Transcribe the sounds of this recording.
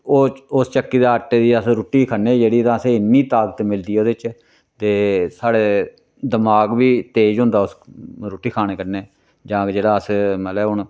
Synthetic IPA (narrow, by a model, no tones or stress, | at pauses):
oːʊst͡ʃəkːiːd̪aːəʈːeːd̪iːəsɾuːʈːiːkʰənːeːd͡ʒeːɽiːt̪ãːəseːɪnːiːt̪aːɡət̪mɪld̪iːoːd̪et͡ʃ | t̪eːsaːɽeː | d̪əmaːɡʋiːt̪eːd͡ʒɦʊ̃nd̪aːʊsɾoːʈiːkʰaːñeːkəɾneː | d͡ʒãːkd͡ʒeːɽaːəsmət̪lɛʊɳ